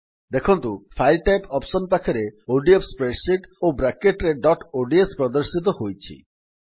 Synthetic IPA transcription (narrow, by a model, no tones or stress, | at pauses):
d̪ekʰɔnt̪upʰajlʈajpɔpsɔnpakʰɔɾeoɖiepspɾeʈsiʈobɾakeʈɾeɖɔʈoɖiespɾɔd̪ɔɾsit̪ɔhojt͡ʃʰḭ